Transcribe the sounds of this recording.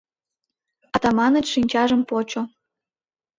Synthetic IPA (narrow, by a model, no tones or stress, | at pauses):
ɑt̪ɑmɑnə̆t͡ɕʃinʲt͡ɕɑʒə̆mpot͡ɕo